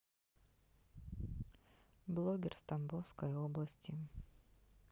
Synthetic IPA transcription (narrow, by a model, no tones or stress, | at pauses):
blˠoɡʲɪrst̪ɐmbofskəjoblˠɐsʲtʲɪ